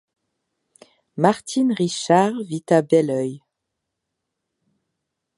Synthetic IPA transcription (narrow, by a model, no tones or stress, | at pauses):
maʁt̪ʰinʁiʃaʁvit̪abɛlœj